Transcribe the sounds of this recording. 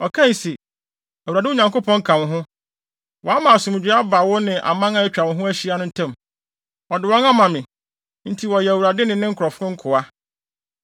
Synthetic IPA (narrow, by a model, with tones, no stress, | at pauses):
ɔ˨kʰã˦n˨se˨ | æ˨wa˨dɪ˦ʊ˦ɲã˨ŋko˦pʰɔ̃˦ŋ̩˦kʰã˨wɦʊ̃˦ | wʔɔ˨a˦mã˨a˨sʊ̃˨m˨d͡ʑᶣɪ˦a˦ba˨wɔ˦nɪ̃˨ʔa̰˨mã˦ŋã˦æ˦t͡ɕᶣa˨wʊ̃˨˦ɦʊ̃˦æ˦ɕi˦a˦nʊ̃˦n̩˦tʰɛ̃˦m | ɔ˨dɪ˨wɔ̃˦ŋã˦mã˨mɪ̃˨ | n̩˦tʰi˨wɔ˨jɛ˨æ˨wuɾa˨dɪ˦nɪ̃˨nɪ̃˦ŋ̩˦kʰʊ˨ɾɔ˨fʊ̃˦ŋ̩˦kʰʊ˨a˦